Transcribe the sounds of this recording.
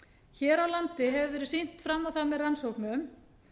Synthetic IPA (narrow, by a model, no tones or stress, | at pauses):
çɛːɾawlant̪ɪɦɛvɪvɛːɾɪɾ̥sejn̥t̪fɾamːawθamɛðransowknʏʏm